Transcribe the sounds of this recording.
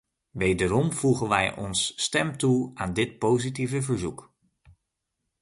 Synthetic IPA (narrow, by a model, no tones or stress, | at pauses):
ʋejdəɾɔmv̥uχənʋɛjɔ̰nsːtɛmtuaːndɪt̚powzitivəvəɹzuk